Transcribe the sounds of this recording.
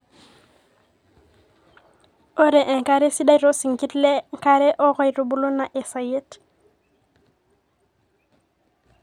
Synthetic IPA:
o˦ɾe˨ʔe˨ŋka˦ɾe˦si˦da˦jɾo˦si˨ŋki˦tle˦ŋka˦ɾe˦ʔɔ˦kɔ˦jɾu˨bu˦lu˦na˨ʔe˨sa˨je˦t

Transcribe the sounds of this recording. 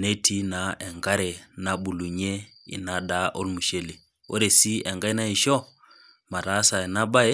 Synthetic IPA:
ne˦tʰi˦na˨ɛ˨ŋɡa˦ɾɛ˨na˦ɓu˨lu˨ɲe˦ | ḭ˨na˦da˦ʔo˦lmu˨ʃe˦le˨ | o̰˦ɾe˨si˦ɛ˨ŋɡa˦i˦na˦i˨ʃɔ˦ | ma˨ɾa˨˦sa˨ɛ˨na˦ba˦e˦

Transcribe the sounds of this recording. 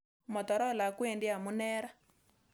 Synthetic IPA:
mɔ˨tɔ˨ɾɔ˦la˨kwe˦˨ndi˦a˨mu˦nɛ˦ɾa˦

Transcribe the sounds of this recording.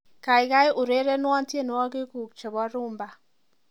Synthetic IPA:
ka˨ɪ˨ka˦ɪ˦ʔʊ˨ɾe˦ɾɛ˦nwa˦ntje˦˨n˨˦ɔ˦kɪ˦ku˨k̚t͡ʃɔ˨bɔ˦ɾʊ˦mba˦˨

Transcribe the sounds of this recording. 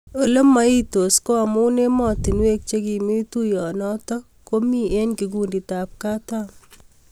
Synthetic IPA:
o˨lo˦mːa˦i˦to˨sko˦a˨mu˦ne˦mɔ˦ti˨nwe˦k̚t͡ʃe˦ki˨mi˦tu˦jɔ˨nɔtɔ˦ | ko˦mi˦e˦nkiɡ̬undi˨ta˨p̚ka˦tam

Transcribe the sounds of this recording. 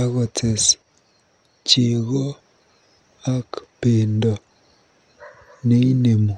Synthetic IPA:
a˦ɣɔ˨tʰe˨s | t͡ʃe˨ɣɔ˦ | a˦kpeː˨ndɔ˨ | ne˦i˦ne˨mu˨

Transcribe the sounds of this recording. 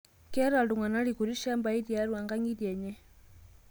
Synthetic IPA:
kɛ˦ɾa˨ldu˨ŋwa˨na˦ɺi˨ku˨ɾi˦ʃa˦mba˨i˦di˨a˦ɾu˨a˨ŋɡa˦ŋi˦di˨ɛ˨ɲɛ˦

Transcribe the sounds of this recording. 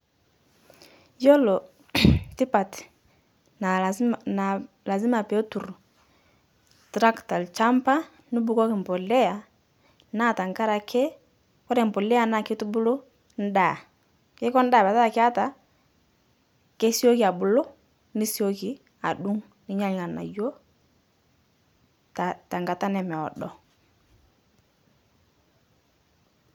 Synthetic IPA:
jɔ˦lɔ˨ | ti˦pa˨t | n˨na˨ | la˨zi˦ma˨pɛ˨o˦tu˨ɾ | tɾa˦kta˨lt͡ʃa˦mpa˦ | nu˦bu˦kɔ˦kɪ˨m̩˨pɔ˨lɛ˦a˨ | na˦˨ta˨ŋ˨ka˦ɾa˨kʰe˦ | kɔ˦ɾɛ˨m̩˨pɔ˨lɛ˦a˨na˨kɪ˦tu˦bu˦lo˦ | n̩˦daː˨ | kɪ˦kɔ˦n̩˦da˦˨bɛ˨ta˦a˨kɪ˦a˦ta˨ | ke˦si˦o˦ki˨a˨bʊ˨lo˦ | ni˦si˦o˦ki˨ | a˨ɗu˦ŋ | ni˦ɲa˦ɲ˨ŋa˨na̰˨jo˦ | ta˨ta˨ŋɡa˨ta˦nɛ˨mɛ˨ɔ̰˨dɔ˨

